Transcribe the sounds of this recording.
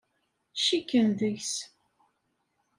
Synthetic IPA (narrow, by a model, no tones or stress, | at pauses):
ʃikːənðəçs